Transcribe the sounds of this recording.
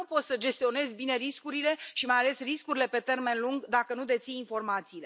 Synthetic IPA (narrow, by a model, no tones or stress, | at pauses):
upo̞t̪səd͡ʒe̞st̪io̞ne̞zʲbine̞ɾiskuɾile̞ʃimajale̞sriskuɾile̞pe̞t̪e̞rme̞nluŋɡd̪akənud̪e̞t̪sijinfo̞rmat̪siːle̞